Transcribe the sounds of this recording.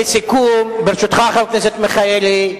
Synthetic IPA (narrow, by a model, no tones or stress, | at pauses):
esikumbeɾʃut̪χaχalknɛsɛt̪meχajeli